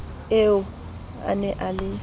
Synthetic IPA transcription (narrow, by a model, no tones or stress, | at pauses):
eʊ | a̰nɛʔalɪ